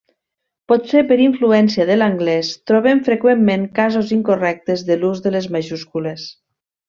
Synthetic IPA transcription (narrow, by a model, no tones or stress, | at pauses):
pɔt̪sepəɾiɱfluɛnsiaðəlaŋɡlɛst̪ɾɔβemfɾekwemːeŋkazoziŋkorɛk̚t̪əzðəluzðəlezmaʒuskules